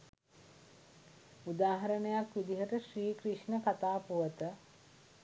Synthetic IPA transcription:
ud̪aːɦɐɾənəjakʋid̪iɦəʈəʃɾiːkɾiʂnəkat̪aːpuʋət̪ə

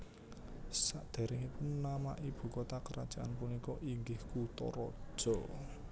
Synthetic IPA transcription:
saʔd̪̥e̤ɾɪŋipʊnːama̰ʔib̥ṳkot̪akəɾad̥ʒ̥aʔanpunikɔʔiŋɡɪhkut̪ɔ̰ɾɔ̥ʒ̥ɔ

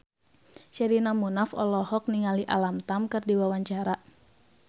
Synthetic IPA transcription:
ʃɛɾinamunafɔ̰lɔhɔk̚niŋaliʔa̰lamt̪amkɨrdiwawaɲt͡ʃaɾa

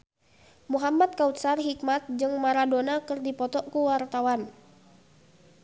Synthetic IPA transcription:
muɦamat̪̚kaut̪sarɦik̚mat̪̚d͡ʒɨŋmaɾadonakɨrdipɔt̪ɔkuwart̪awan

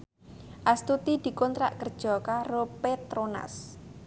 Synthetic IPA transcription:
ʔast̪ut̪id̪̥i̤kɔnt̪ɾa̰ʔkərd̥ʒ̥ɔ̤karopet̪ɾona̰s

